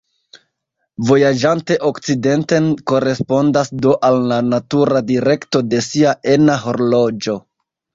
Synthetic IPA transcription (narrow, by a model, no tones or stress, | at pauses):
vo̞jad͡ʒante̞ʔo̞kt͡side̞nte̞nko̞ɾe̞spo̞ndasdo̞ʔalnanatuɾadiɾe̞kto̞de̞siaʔe̞naɦo̞ɾlo̞d͡ʒo̞